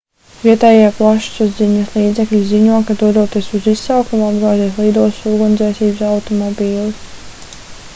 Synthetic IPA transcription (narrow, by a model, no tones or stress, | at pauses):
viɛt̪ɛjiplˠaʃsuzd̪ziɲɐslˠiːd̪zɛklʲiziɲuɔkad̪uɔd̪uɔt̪iɛsuzisːawkumuad̪ɡaːziɛslˠiːd̪uɔssuːɡund̪ɛːsiːbsawt̪ɔmɔbʲiːlˠis